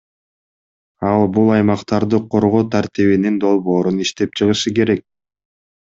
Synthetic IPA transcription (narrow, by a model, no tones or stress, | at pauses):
ɑlˠbulˠɑjmɑqt̪ɑɾd̪ɯqʰo̞ɾʁo̞ːt̪ʰaɾt̪iβinind̪o̞lˠβo̞ːɾuniʃt̪e̞p̚t͡ʃʰɯʁɯʃɯke̞ɾe̞k̚